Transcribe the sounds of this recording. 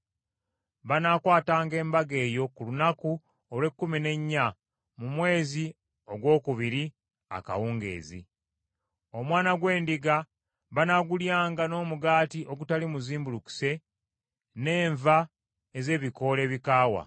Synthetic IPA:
βanakwaːtaːŋɡe̞ːmbaɡe̞ːjo̞kulunaku | olwe̞kːumine̞ɲːa | mumwe̞ːzi | o̞ɡwo̞ːkuβiɾi | a̰ka̰wuːŋɡe̞̰ːzḭ | o̞mwaːnaɡwe̞ːndiɡa | βanaɡuljaːŋɡano̞ːmuɡaːtiʔo̞ɡutalimuziːmbuluku̥se̞ | ne̞ːɱva | eze̞ːβiko̞le̞ːβikaːwa̰

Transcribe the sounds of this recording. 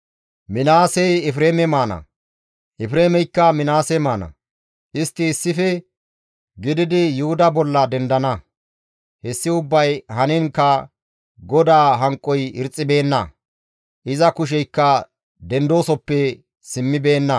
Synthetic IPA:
mɪnaːsɛjɛfɾeːmɛmaːnɐ̰ | ʔɛfɾeːmɛjkːɐmɪnaːsɛmaːnɐ̰ | ʔɪst̪ːɪːsːɪfɛ | ɡɪd̪ɪd̪ɪjʊhʊd̪ɐbɔlːɐd̪ɛnd̪ɐnɐ | hɛsːɪʊbːɐjhɐnɪŋkːɐ | ɡɔd̪aːɦɐŋkʼːɔjɪɾt͡sʼːɪbe̞ːnːɐ̰ | ʔɪzɐkʊʃ̬ɛjkːɐ | d̪ɛnd̪o̞ːsɔpːɛ | sɪmːɪbe̞ːnːɐ

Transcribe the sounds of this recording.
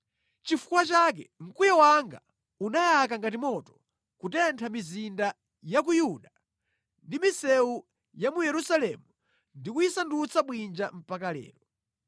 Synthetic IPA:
t͡ʃifu̥kwat͡ʃak̬ɛŋ̩kujɔwaŋɡa | unajakaŋɡat̬imɔtɔ̥ | kutɛntʰamizinda | jakujuɗa | ndimisɛu | jamujɛɾusalɛmu | ndikujisandut͡sʰaɓwind͡ʒam̩pakalɛ̰ːɾɔ

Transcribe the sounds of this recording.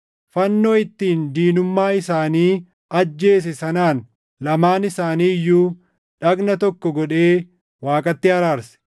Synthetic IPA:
fɐnːo̞ːɪt̪ːiːnd̪iːnʊmːaːɪsaːniː | ɐd͡ʒːe̞ːs̬ɛsɐnaːn | lɐmaːnɪsaːniːjːuː | ᶑɐɡnɐt̪ɔkːɔɡɔᶑe̞ː | waːkʼɐt̪ːɪhɐɾaːɾsɛ̥

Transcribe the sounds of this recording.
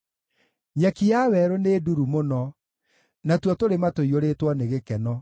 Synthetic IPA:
ɲakijawɛɾoneduɾumonɔ | natwɔtoɾematoioɾetwɔneɣekɛnɔ

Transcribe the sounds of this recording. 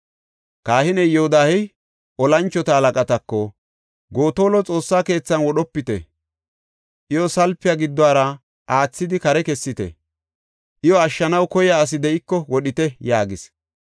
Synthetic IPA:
kaːhɪnɛjɛhʊd̪aːhɛ | ʔɔlɐnt͡ʃːɔt̪ɐhɐlɐkʼɐt̪ɐkːɔ | ɡo̞ːt̪o̞ːlɔt͡sʼo̞ːsːaːke̞ːt͡sːɐnwɔɗɔpːɪt̪ɛ̰ | ʔɪjɔsɐlpːɪjaɡɪd̪ːwaːɾɐ | ʔaːt͡sːɪd̪ɪkɐɾɛkɛsːɪt̪ɛ̰ | ʔɪjɔɐʃːɐnɐwkɔjjaːs̬ɪd̪ɛɪkːɔwɔɗɪt̪ɛjaːɡɪs

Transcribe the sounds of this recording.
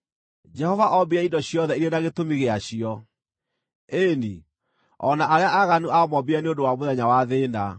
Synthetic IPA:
d͡ʒɛhɔvaʔɔbiaidɔɕjɔðɛiɾenaɣetomiɣeaɕiɔ | ende | ɔnaʔaɾeaʔaɣanuʔamɔbiɾaneondowamoðɛɲawaðeːna

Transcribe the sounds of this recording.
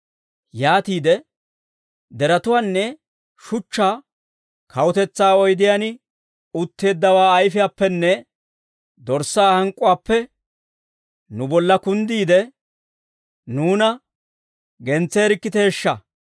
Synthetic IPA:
jaːt̪iːd̪ɛ | d̪ɛɾɐt̪ʊwaːnːɛ | ʃʊt͡ʃːaː | kʰɐwʊt̪ɛt͡sːaːɔjd̪ɪjanɪ | ʊt̪ːe̞ːd̪ːɐwaːjfɪjaːpːɛnːɛ | d̪ɔɾsaːhɐŋkʼːʊwaːpːɛ | nʊbɔlːɐkʊnd̪iːd̪ɛ | nuːnɐ | ɡɛnt͡sːeːɾɪkːɪt̪eːʃːɐ

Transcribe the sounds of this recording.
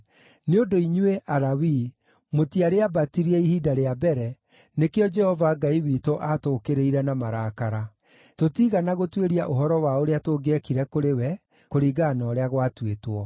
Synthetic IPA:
neondoiɲueʔaɾawi | motiaɾeabatiɾiɛihiːdaɾeabɛɾɛ | nekeɔd͡ʒɛhɔvaɡaiwitoʔatokeɾeiɾɛnamaɾaːkaɾa | totiɣanaɣotweɾiaʔoɦɔɾɔwaoɾeatoɡɛkiɾɛkoɾewɛ | koɾiːɡaːnɔːɾeaɣwatwetwɔ

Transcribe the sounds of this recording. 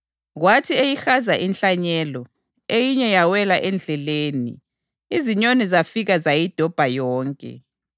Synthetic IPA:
ɣwatʰiejixazaʔinɬaɲɛlɔ | ejiɲɛjawɛlaʔɛnd͡ɮʱɛleːnḭ | iziɲonizafiɣazajid̥ʱɔb̥ʱajɔːŋkʼɛ̰

